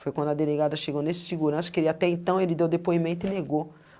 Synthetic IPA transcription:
fojkwɐ̃nd̪ʊɐd̪eleɡad̪ɐʃeɡonesɪ̥siɡuɾɐ̃sɐ̥kelat̪ɛẽnt̪ɐ̃w̃elɪd̪ewd̪epoimẽnt̪ʊɪneɡo

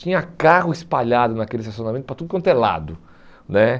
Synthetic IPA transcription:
t͡ʃĩɲɐkaɦʊispaʎad̪ʊnakelɪsas̬ijõnamẽt̪ʊpɾɐt̪ud̪ʊkõnt̪ela̰d̪ʊ | nɛ

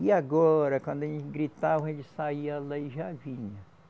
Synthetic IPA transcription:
ɪaɡɔɾɐkwɐ̃nd̪ʊɐʒẽnt͡ʃɪɡɾit̪avɐẽt͡ʃɪ̥saiɐlaɪʒavĩɲɐ

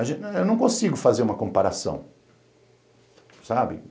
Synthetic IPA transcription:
aʒẽewnɐ̃w̃kõsiɡʊfazeɾũmɐkõmpaɾasɐ̰̃w̃ | sabɪ̰

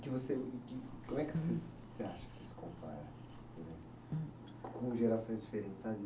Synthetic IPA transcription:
kɪvosekɪkõmwɛkɪvosesvoseaʃɐ̥kɪ̥sesɪ̥kõpa̰ɾa̰ɾ̃ | pod̪ẽm | kõʒeɾasõj̃zd͡ʒifeɾẽnt͡ʃɪ̥sabɪ

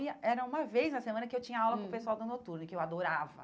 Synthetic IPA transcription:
iɐɛɾɐũmɐvejznɐsemɐ̃nɐkɪewt͡ʃĩɲɐawlɐ̃kõpesuawd̪ʊnot̪uɾnʊkɪewad̪oɾavɐ̰

